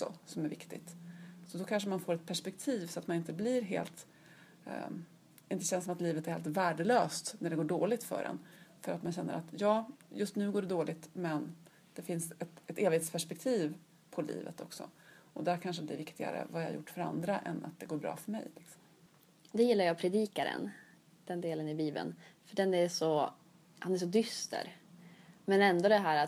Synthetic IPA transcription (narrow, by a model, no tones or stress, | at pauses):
ksɔ̰sɔmæɾvɪkt̪ɪt̪sɔd̪ɔkʰanʂ̬əmanfoːɾɛt̪̚pʰæʂpɛk̚t̪ʰiːvsɔat̪manɪnt̪əblɪɾɦḛːlt̪ | ɪnt̪əɕɛnsɔmat̪liːvət̪æɾheːlt̪væːɖəløːst̪næɖɛɡoːɖoːlɪt̪fœ̰ɖɛ̰nfœɾat̪manɕɛnːə̰ɾat̪jɑːjɵst̪nʉ̟ːɡoːɖɛd̪oːlɪt̪mɛn | d̪̥ɛfɪnsɛt̪ɛt̪eːvɪhet̪spʰæʂpɛk̚t̪ʰiːv | pʰɔlḭːvət̪ɔksɔ̰ɔd̪æɾkʰanʂəd̪ɛvɪkt̪ɪɡa̰ɾə̰vajɑajʊ̰ʈːfœɾa̰nd̪ɾaʔɛ̰na̰t̪̚d̪ɛɡoːɾbɾɑ̰ːfœɾmɛ̰jlɪksɔ̥m | d̪ɛjɪlːaɾjɑːpʰɾɛd̪iːkaɾə̰n | d̪̥ɛnd̪eːlənɪbiːbə̰nfœɖɛnæʂɔ | hanæʂɔd̪ʏst̪ə̰ɾ | mɛnɛnd̪ɔd̪ɛɦæːɾat̪